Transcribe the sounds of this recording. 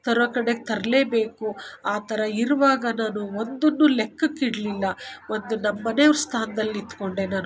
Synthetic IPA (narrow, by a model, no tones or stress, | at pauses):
t̪ɐɾɔkɐɽeɡet̪ʰɐɾɐle̞ːbe̞ːkuaːt̪ɐɾɐiɾuʋaːɡɐnaːnuo̞nd̪onːulekːɐkːiɽɐlilːɐʋo̞nd̪unɐmːɐneʋɾst̪ʰaːnɐd̪ɐlːiit̪ːu̥ko̞ɳɖe̞naːnu